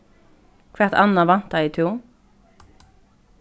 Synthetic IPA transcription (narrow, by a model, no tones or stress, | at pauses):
kʰʋæʁt̪ɑnɑʋɑnt̪ɑiːt̪ʰuː